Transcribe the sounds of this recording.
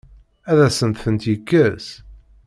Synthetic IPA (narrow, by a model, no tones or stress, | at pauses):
æðæsənt̪θənt̪jəkːəs